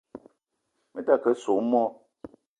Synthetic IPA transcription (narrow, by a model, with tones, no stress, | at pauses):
mə˨ta˦˨kə˦so˨˦mɔ˦